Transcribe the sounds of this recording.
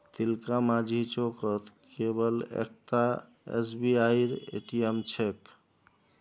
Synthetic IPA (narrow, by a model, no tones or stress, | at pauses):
t̪ilkamad͡ʒʱit͡ʃokət̪kebəlḛk̚t̪a | ḛsbiajɾḛʈiemt͡ʃʰek